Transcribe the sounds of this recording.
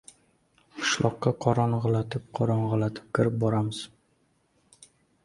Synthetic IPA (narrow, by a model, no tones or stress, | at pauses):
qʰɨ̥ʃlˠɒqːɑqʰɒɾɒɴʁɨlˠat̪ʰɪp̚qʰɒɾɒnʁɨlat̪ʰɪ̥p̚kʰʲɪɾɪp̚bɒɾamɪz̥